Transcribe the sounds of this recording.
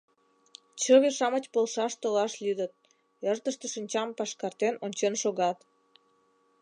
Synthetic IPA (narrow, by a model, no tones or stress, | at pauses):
t͡ɕəβeʃɑmət͡ɕpolʃɑʃt̪olɑʃlʲyd̪ət̪̚ | ərt̪əʃt̪əʃinʲt͡ɕɑmpɑʃkɑrt̪enonʲt͡ɕenʃoɣɑt̪